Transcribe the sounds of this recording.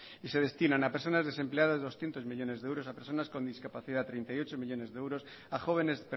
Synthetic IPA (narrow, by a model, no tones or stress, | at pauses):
ise̞ð̞e̞st̪inãnapeɾso̞nazðe̞se̞mpleaðazðo̞sθje̞nt̪o̞zmiʎo̞ne̞zðewɾo̞sapeɾs̬o̞nasko̞nd̪iskapaθiðat̪ɾejnt̪ajot͡ʃomiʎo̞ne̞zðeewɾo̞s | axo̞β̞e̞ne̞zpe